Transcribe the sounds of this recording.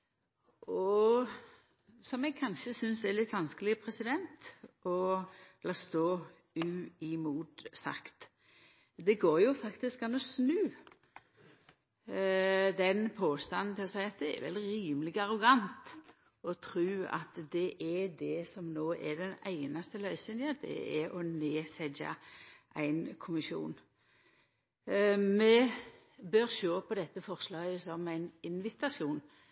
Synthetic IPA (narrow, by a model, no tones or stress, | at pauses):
ʔɔ | sɔmɛɡ̚kʰɑnʃəsʏnsɛlɪt̪ːʋɑnskəlɪpʰɾɛsɪd̪ɛnt̪ɔɛlɑst̪oː | ʉːɪmuːt̪sɑ̰kt̪ | d̪ɛɡoːɾjʊfɑkt̪ɪskɑnɔsnʉː | d̪ɛnpʰoːst̪ɑnn̩t̪ʰɪlɔsæɪɑt̪̚d̪ɛɛ̰ɾʋɛ̰lɾiːməlɪɡɑɾʊɡɑnt̪ | ɔt̪ʰɾʉːɑ̰t̪d̪ɛʔɛɖd̪ɛsɔmnoːʔɛɖɛnæɪnɑst̪əlœʏsɪnd̪ɪɑt̪d̪ɛ̰ɛɾɔneːsɛd͡ʒɑ̰ʔæɪnkʰʊmɪʃṵːn | mɛ | bøɾʃoːpʰɔd̪ɛt̪ːəfɔʁslɑːɡəsɔmæɪnɪnʋɪt̪ɑsjuːn